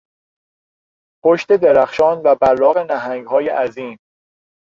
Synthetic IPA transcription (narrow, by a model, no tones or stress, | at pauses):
pʰoʃt̪e̞d̪eɾæxʃɒːnvæbæɾlɒːɣenæɦæŋɡhɒːjeʔæziːm